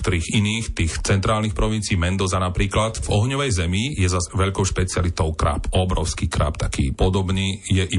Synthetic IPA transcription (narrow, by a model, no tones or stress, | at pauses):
kt̪ɔɾiːɣiniːxt̪iːxt͡sɛnt̪ɾaːlnixpɾɔʋint͡siiːmɛnd̪ɔzanapɾiːklad̪vɔɦɲɔʋɛjzɛmijɛzazʋɛʎkɔʊʃpɛt͡siɪalit̪ɔʊkɾa̰pɔbɾɔʊskiːkɾa̰pt̪akḭːpɔd̪ɔbniːjɛʔi